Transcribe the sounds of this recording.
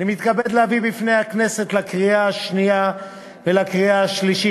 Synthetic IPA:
nimit̪kabed̪lehavibifne̞jhakne̞se̞t̪lakʁiaaʃnia | velakʁiaaʃliʃi

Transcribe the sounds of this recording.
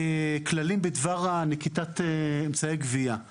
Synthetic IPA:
eklalimbedvaʁanekitat̪eemt͡saeɡvia

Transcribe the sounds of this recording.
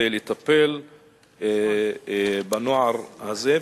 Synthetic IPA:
elet̪apel | banoʕaɾhaze

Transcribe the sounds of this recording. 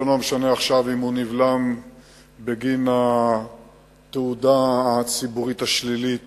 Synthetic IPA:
onomeʃaneaχʃavimhunivlam | beɡina | t̪eud̪aːt͡sibuʁit̪aʃlilit

